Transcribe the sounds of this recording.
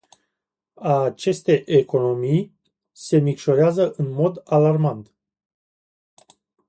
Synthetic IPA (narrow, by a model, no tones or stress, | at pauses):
at͡ʃe̞st̪e̞ʔeko̞no̞mij | se̞mikʃo̞ɾeazəʔɨnmo̞d̪alarmant̪